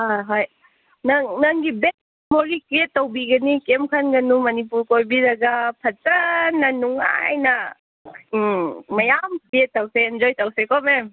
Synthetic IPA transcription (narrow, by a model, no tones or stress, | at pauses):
aɦaj | nɐŋnɐŋɡibek̚ | moɾɡikietːowbiɡɐnikemkʰanɡɐnumɐnipuɾkojbiɾɐɡɐpʰɐt͡ʃɐnːɐnuŋa̰jnɐ | mɐjamkietːawseːnd͡ʒojtawsekɔmem